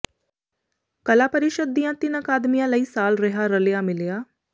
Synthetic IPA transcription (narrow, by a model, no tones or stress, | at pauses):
kəlaːpəɾɪʃəd̪ːijãːt̪ɪnəkaːd̪mijãːləiːsaːlɾəɦaɾəlejamɪlejaː